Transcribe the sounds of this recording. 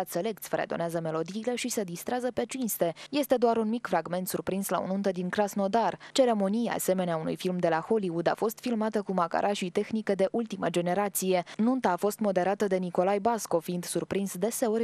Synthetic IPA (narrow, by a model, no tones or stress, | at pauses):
at̪se̞le̞k̚t̪sʲfəɾed̪o̞̰neazəme̞lo̞d̪iːle̞ʃise̞d̪ist̪ɾeazəpe̞t͡ʃinst̪e̞je̞st̪e̞d̪oaɾunmikfɾaɡme̞nt̪surpɾinsla̰o̰nunt̪əd̪iŋkɾasno̞d̪art͡ʃe̞ɾe̞mo̞nija̰a̰se̞me̞neaunṵjfilmd̪e̞laxo̞liud̪a̰fo̞st̪filmat̪əkumaka̰ɾʔaʃijt̪e̞xnikəd̪e̞ʔult̪iməd͡ʒe̞ne̞ɾat̪sije̞nunt̪aːfo̞st̪mo̞d̪e̞ɾat̪əd̪e̞niko̞lajbasko̞fiind̪surpɾinsd̪e̞se̞oɾʲ